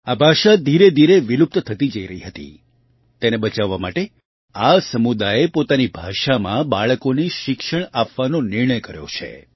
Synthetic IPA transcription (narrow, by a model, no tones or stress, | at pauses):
abʱaʃad̪ʱiɾed̪ʱiɾeʋilup̚t̪t̪ʰət̪id͡ʒəiɾəɦiɦət̪ḭ | t̪enebət͡ʃaʋːama̰ʈe | asəmud̪aepot̪anibʱaʃamã̰baɭəkoniʃɪkʃəɳ̃apʋanonɪɾɳ̃əjkəɾjo̰t͡ʃʰḛ